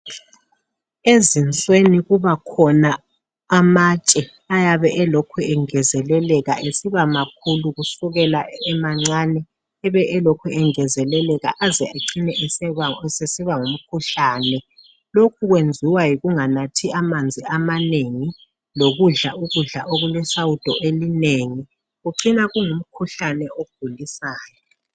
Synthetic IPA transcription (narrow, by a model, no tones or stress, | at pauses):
ezint͡sʼweniɣuβakʰɔnaː | mat͡ʃʼɛ | ajaβɛʔɛlokʰuɛŋɛzɛlɛlɛɣa̰ʔesiβamakʰuluɣusuɣɛlaɛmaŋ͡ǀanɛː | βɛʔɛlokʰuɛŋɛzɛlɛlɛɣa̰ʔazɛeǀinɛʔɛsɛsesiβaŋum̩kʰuɬaːnɛ | lokʰuɣwend͡zʱiwajiɣuŋanatʰiamand͡zʱiamaneŋi | loɣuɮaʔuɣuɮa̰ʔoɣulwɛsawud̥ʱɔʔelineŋi | ɣuǀinaɣuŋum̩kʰuɬanɛoub̥ʱulisaːjɔ